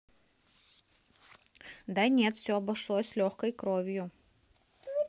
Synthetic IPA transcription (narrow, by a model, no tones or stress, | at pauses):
d̪anʲe̞t̪fsʲoɐbɐʂlˠojsʲlʲoxkəjkɾovʲjʊ